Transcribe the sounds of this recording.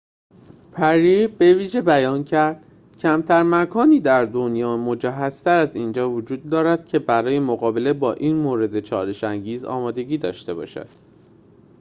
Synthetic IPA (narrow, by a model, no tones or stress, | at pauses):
pʰæɾibe̞viːʒe̞bæjɒːncʰæɾd̪̥ | cʰæmt̪ʰæɾmækʰɒːniːd̪æɾd̪o̞njɒːmo̞d͡ʒæɦæz̥t̪ʰæɾæziːnd͡ʒɒːvod͡ʒuːd̪̚ːɒːɾæd̪̥cʰe̞bæɾɒːje̞moɣɒːbe̞le̞bɒːʔiːnmoːɾe̞d̪e̞t͡ʃʰɒːɾe̞ʃæŋɟiːzɒ̰ːmɒːd̪e̞ɟiːd̪ɒ̰ːʃt̪e̞bɒ̰ːʃæ̰d̪̥